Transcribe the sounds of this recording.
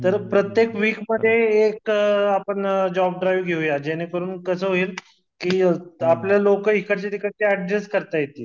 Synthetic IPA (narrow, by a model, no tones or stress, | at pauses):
t̪əɾpɾət̪jekʋiːkməd̪ʱːjeːkapəɳd͡ʑɔb̚ɖɾajʋɡʱeujad͡ʑɛnikəɾuːnkəsəːɦoiːl | kiːapljalokəikʰəɾt͡ɕit̪ikəʈ̪eəɖɾeskəɾt̪ajet̪iː